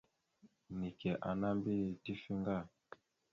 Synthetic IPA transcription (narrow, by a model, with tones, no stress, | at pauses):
ni˨kɛ˨ʔa˨na˦mbi˦˨ti˦fi˦ŋɡa˦˨